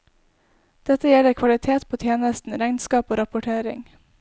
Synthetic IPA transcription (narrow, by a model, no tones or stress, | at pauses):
d̪̥ɛt̪əjɛləɾkʰʋɑlɪt̪ʰeːt̪pʰoːt̪ʰjeːnəst̪n̩ɾæɪnskɑːpoːɾɑpʊʈʰeːɾɪ̰ŋ